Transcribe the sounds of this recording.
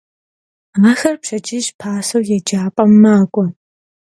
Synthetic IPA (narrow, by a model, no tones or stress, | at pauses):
nɐxɐrpʃɐt͡ʃʼɪʒpʰaːsɐwjɛd͡ʒaːpʼɐmːaːkʷʼɔ